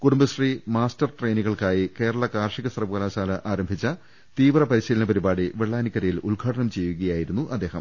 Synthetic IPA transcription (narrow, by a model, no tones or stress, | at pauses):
kuɽumbɐsrimaːstɐrʈrejniɣɐɭkaːjike̞ːɾɐɭɐkaːrʂiɣɐsɐrɐʋukɐlaːɕaːlɐʔaːɾɐmbʱit͡ɕːɐ | t̪iːʋrɐpɐɾiɕiːlɐnɐpɐɾibaːɽiʋeɭːaːnikːɐɾɐjilulɡʱaːʈɐɳɐmt͡ɕe̞jːuɣɐjaːjiɾunːuʔɐd̪ːe̞ːhɐ̰m